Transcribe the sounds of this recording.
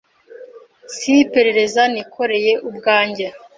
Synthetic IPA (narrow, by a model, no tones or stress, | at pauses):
sipe̞ɾe̞ɾe̞zanikʰo̞ɾe̞je̞ʔubɡaːɲɟa